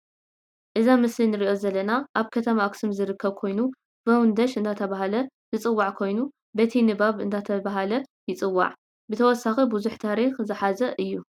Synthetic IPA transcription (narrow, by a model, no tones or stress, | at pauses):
ʔɨzamɨslinɨɾiʔo̞zɐlːɐnaʔaβkʰɐt̪ʰɐmaksɨmzɨɾɨkːɐβkʰo̞jnu | bɐwnd̪ɐʃʔɨnd̪ʰat̪ʰɐβaɦalɐ | z̥ɨt͡sʼɨwːaʕkʰo̞jnu | bɐt̪ʰinɨbaβɨ̰nd̪ʰat̪ʰɐβaɦalɐjɪt͡sʼɨwːa̰ʕ | bɨt̪ʰɐwɔsːaxibuzuħt̪ʰaɾixzɨħazɐʔɨjːu